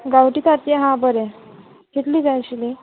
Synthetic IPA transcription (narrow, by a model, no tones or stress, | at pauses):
ɡawʈiːt̪at̪jɛ̃ɦãbəɾɛ̃ | kʰeʈ̪liːd͡zajɕli